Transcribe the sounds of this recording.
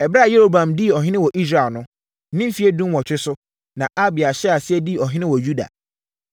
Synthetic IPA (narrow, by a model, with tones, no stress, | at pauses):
ɛ˨bɾa˦˨je˦ɾo˦bã˨mdi˦˨ɔ˨ɦɪ̃˦nɪ̃˦wɔ˨ʔi˦s̬ɾa˨lnʊ̃˦ | nɪ̃˦m̩˦fi˨˦e˦dũ˦mwɔ˨t͡ɕᶣɪ˦sʊ˦ | nã˨ʔa˦bɪ˨a˨ɕɛ˦a˨sɪ˦ɛ˦di˦˨ɔ˨ɦɪ̃˦nɪ̃˦wɔ˨ju˦da̰˨